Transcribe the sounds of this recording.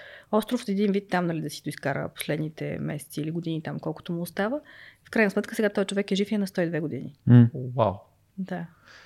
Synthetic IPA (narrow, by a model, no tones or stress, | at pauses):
ɔst̪ɾoft̪ɛd̪invit̪ːamnɐlid̪ɐsi̥d̪ʊiskaɾə̰po̥slɛd̪nit̪ɛ̰mɛsɛ̥t̪siiliɡod̪init̪amkɔlˠkʊ̥t̪omuːst̪avəifkɾajnsmɛt̪̚kəsɛɡat̪ɔjt͡ʃovɛkɛʒifjɛnɐst̪ɔid̪vɛɡod̪inḭwa̰w | d̪a